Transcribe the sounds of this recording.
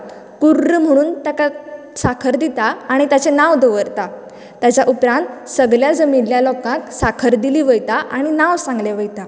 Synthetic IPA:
kuɾːm̤əɽ̃uːnt̪aka | sakʰəɾd̪it̪aːɽ̃it̪jat͡ɕenaʋd̪oʋəɾt̪a | t̪jat͡ɕaʔupɾãnt̪səɡljad͡zəmilːjalɔkãksakʰəɾd̪iliːʋəjt̪aʔaɽ̃inaʋsãŋɡleʋəjt̪a

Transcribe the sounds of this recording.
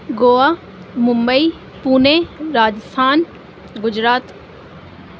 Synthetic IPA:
ɡoːaː | mʊ̃mbəiː | puːneɾaːd͡ʒɪst̪ʰaːn | ɡʊd͡ʒɾaːt̪

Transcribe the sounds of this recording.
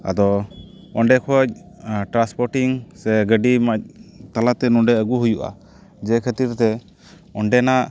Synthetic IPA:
a̰d̪ɔ | ɔɳɖɛkʰɔc̚ʈɾanspɔɾʈiŋsɛɡəɖimac̚t̪alat̪ɛnɔɳɖɛəɡuɦujuʔa̰ | d͡ʒɛkʰət̪iɾt̪ɛ | ɔɳɖɛnaʔ

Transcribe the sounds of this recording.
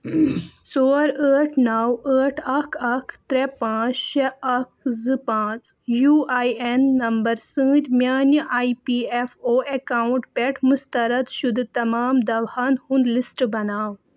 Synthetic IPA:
soːɾəːʈʰnaːwəːʈʰɐkʰɐkʰt̪ɾɛpãːt͡sɕeɐk̚zɨpãːt͡sjuːaːjenːɐmbɐɾsɨ̃ːt̪mjaːnjəʔaːipiefoːʔekaːuɳʈpɛʈʰmust̪ɐɾɐt̪ʃud̪ʱt̪ɐmaːmd̪ɐʋhaːnhũnd̪lisʈbɐnaːw

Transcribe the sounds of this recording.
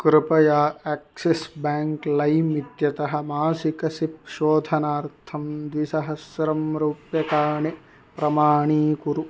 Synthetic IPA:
kɾɪpɐjaːeːk̚sisbaːŋklɐjmit̪jɐt̪ɐɦɐ̆maːsikɐsip̚ʃoːd̪ʱɐnaːɾt̪ʰɐmd̪ʋisɐɦɐsɾɐmɾuːpjɐkaːɳi | pɾɐmaːɳiːkuɾu

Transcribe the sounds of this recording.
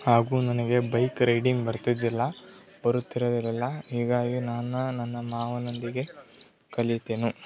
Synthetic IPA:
haːɡuːnɐnɐɡe̞bɐjkɾejɖiŋɡbɐɾt̪id̪ilːɐ | bɐɾut̪ːiɾɐd̪ilɛlːɐɦiːɡaːɡinaːnunɐnːɐmaːʋɐnond̪iɡe̞ | kɐlit̪eːnu

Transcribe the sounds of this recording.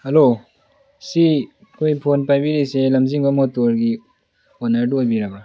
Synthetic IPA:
hɐlo | si | kʰojpʰonpajbiɾiselɐmziŋbamotoɾɡi | onɐɾdojbiɾaba

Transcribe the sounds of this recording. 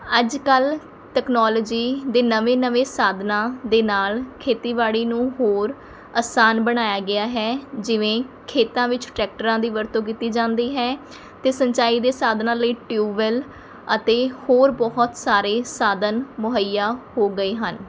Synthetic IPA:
əd͡ʒkəl | ʈɛːknɔːlːd͡ʒiːd̪eːnəʋẽːnəʋẽːsaːd̪nãːd̪eːnaːlkʰeːt̪iːʋaːɽiːnũːɦoːɾ | aːsaːnbəɽ̃aːjaːɡɪaːɦɛːd͡ʒɪʋẽːkʰeːt̪ãːʋɪt͡ʃʈɾɛːk̚ʈəɾãːd̪iːʋəɾt̪õːk̬iːt̪iːd͡ʒãːnd̪iːɦɛː | t̪eːsəɲt͡ʃaːiːd̪eːsaːd̪nãːləiːʈjuːʋəl | ət̪eːhoːɾbɔɦɔt̪saːɾeːsaːd̪ənmʊɦəijːaːhoːɡəeːɦən

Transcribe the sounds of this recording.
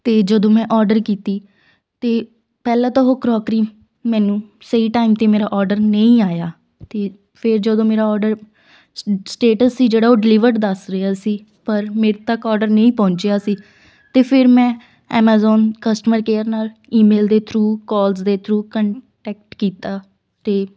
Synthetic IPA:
t̪eːd͡ʒəd̪õːmɛ̃ːʔɔːɾɖəɾkiːt̪iː | t̪eː | pɛːlãːt̪ãːɦoːkɾɔːkɾiː | mɛ̃ːnũːsəiːʈaːimt̪eːmeːɾaːʔɔːɾɖəɾnəĩːaːjaː | t̪eː | pʰɪɾd͡ʒəd̪õːmeːɾaːɔːɾɖəɾ | sʈeːʈəsːiːd͡ʒeːɽaːoːɖɪlɪʋəɾd̪əsɾəjaːsiː | pəɾmeːɾt̪əkːɔːɾɖəɾnə̃ĩːpɔ̃ːɲt͡ʃejaːsiː | t̪eːpʰɪɾmɛ̃ː | ɛːmaːzɔːnkəsʈəməɾkeːəɾnaːliːmeːld̪eːt̪ʰɾuːkɔːlsd̪eːt̪ʰɾuːkəɳʈɛːk̚ʈkiːt̪aː | t̪eː

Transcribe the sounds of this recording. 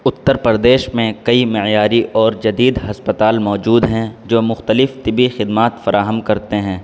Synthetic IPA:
ʊt̪ːəɾpəɾd̪eːʃmẽkɐimɪʕjaːɾiʔɔːɾd͡ʒɐd̪iːd̪ɦɐspət̪aːlmɔːd͡ʒuːd̪ɦɛ̃d͡ʒoːmʊxt̪əlɪft̪ɪbixɪd̪maːt̪fɐɾaːɦəmkɐɾt̪eɦɛ̃ː

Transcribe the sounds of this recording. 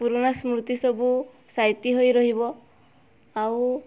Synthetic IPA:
puɾonasmɾut̪isɔbu | sajt̪iɦojɾɔɦibɔ | aw

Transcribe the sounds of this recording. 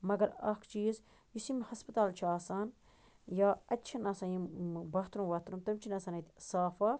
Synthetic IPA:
mɐɡɐɾɐkʰt͡ʃiːz | jisimhɐspɐt̪aːlt͡ʃʰaːsaːn | jaːɐtʲːt͡ʃʰinɐːsaːjibɐːt̪ɾumʋɐt̪ɾumt̪ɐmt͡ʃʰinɐsaːnɐt̪ʲsaːfɐ

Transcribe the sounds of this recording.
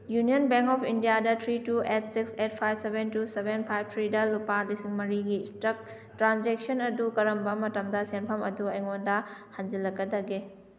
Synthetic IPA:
junijonbeŋkɔpʰindijadɐtʰɾituet̚ʰsikset̚pʰajbsebʱentusebenpʰajb̚tʰɾidɐlupalisiŋmɐɾiɡistɾɐk̚ | tːɾanzek̚sɐnɐdukɐɾɐmbɐmɐtɐmdɐsenpʰɐmɐduɐjŋondɐhand͡ʒilːɐkːɐdɐɡe

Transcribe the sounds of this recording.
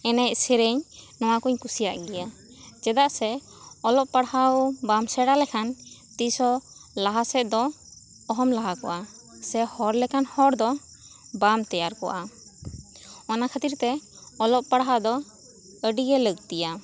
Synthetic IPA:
ɛnɛc̚sɛɾeɲnɔw̃akuɲkusijaʔɡɛja | d͡ʒɛd̪aʔsɛ | ɔlɔʔpaɽɦawbamsɛɽalɛkʰant̪isɔlaɦasɛt̪̚d̪ɔ | ɔɦɔmlaɦakɔ̰ʔa | sɛhɔɾlɛkanhɔɾd̪ɔ | bamt̪ɛjaɾkɔ̰ʔa | ɔnakʰat̪iɾt̪ɛ | ɔlɔʔpaɽɦad̪ɔ | əɖiɡɛləɡt̪ija

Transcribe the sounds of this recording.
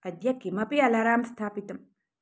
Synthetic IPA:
ɐd̪jɐkːimɐpiɐlaːɾaːmst̪ʰaːpit̪ɐm

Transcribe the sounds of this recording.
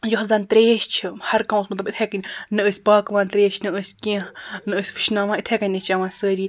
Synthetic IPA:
joɦzaːnt̪ɾeːʃt͡ʃʰɨhɐɾkawsmɐt̪lɐbit̪ʰekɐnʲnɨəːsʲpaːkʋaːnt̪ɾeːʃʰnɨəːsʲkʲẽnɨəːsʲfɨ̥ʃnaːʋãːɨt̪ʰekɐnʲnet͡ʃaʋãːnsəːɾiː

